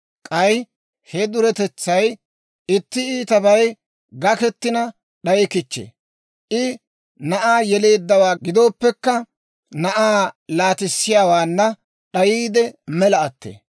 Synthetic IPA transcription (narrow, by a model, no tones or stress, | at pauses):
kʼɐj | hɛd̪ʊɾɛt̪ɛt͡sːɐj | ɪt̪ːɪiːt̪ɐbɐj | ɡɐkɛt̪ːɪnɐ | ɗɐjɪkɪt͡ʃːḛː | ʔɪ | nɐʔaːjɛleːd̪ːɐwaːɡɪd̪o̞ːpːɛkːɐ | nɐʔaːlaːt̪ɪsːɪjaːwaːnːɐ | ɗɐjiːd̪ɛmɛlɐɐt̪ːḛː